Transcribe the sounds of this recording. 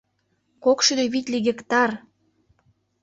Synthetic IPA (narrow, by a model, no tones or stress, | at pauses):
kokʃyd̪eβit̪ʲliɣĕkt̪ɑr